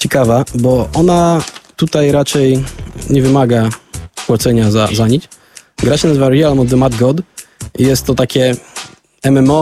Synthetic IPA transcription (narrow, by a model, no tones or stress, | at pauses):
t͡ɕɛkavabɔʔɔnat̪ut̪ajɾat͡ʂɛjɲɛvɘmaɡakwat̪sɛɲaza̰zaɲit͡ɕ | ɡɾaɕɛnazɘvaɾialmɔd̪ɛmad̪ɡɔd̪ijɛst̪ːɔt̪akʲɛ | ɛmɛmɔ